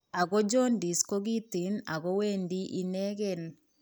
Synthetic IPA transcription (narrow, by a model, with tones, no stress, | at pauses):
a˨ɣɔ˦d͡ʒɔ˦ndi˨sko˦ɣi˦ti˨na˨ɣɔ˦we˦ndi˦ʔi˦nɛ˦ɣɛ˨n